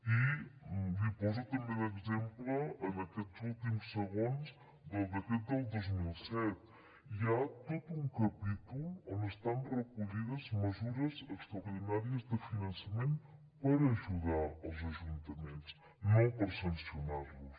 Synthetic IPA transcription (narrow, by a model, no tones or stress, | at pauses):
i | dipɔzot̪əmbeðəkzempləːnɐkɛt̪zulˠt̪imsəɣonz | d̪əlˠd̪əkɛt̪̚d̪əlˠd̪ozmilˠsɛt̪ | iat̪ot̪uŋkɐpit̪ulond̪əst̪anrəkuʎiðəzməzuɾəzəkst̪ɾɐoɾðinaɾiəzd̪əfinɐnsɐmẽnt̪ | pəɾːʒuðaəlˠzɐʒunt̪ɐmẽnt͡s | nõpəɾsənsjunaɾlus